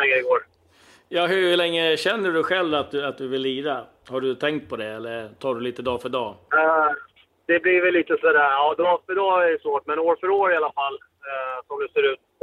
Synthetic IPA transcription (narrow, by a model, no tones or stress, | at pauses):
ɛɡɪɡoːɾ | jɑːɦɵɭɛŋːəɕɛnːəɖɵɧɛlvat̪̚d̪ɵat̪̚d̪ɵvɪlːiːɾa | haɖɵt̪ʰɛŋk̚t̪̚pʰɔd̪ɛɛlːəɾt̪ʰɑːɖɵliːt̪əd̪ɑːfœɖɑː | d̪̥ɛblivɪlːiːt̪əsɔd̪æɾɑːd̪ɑːfœɖɑːæɾsvoːʈmɛnoːɾfœɾoːɾɪalafalː | sɔmd̪ɛseːɾʉ̟ːt̪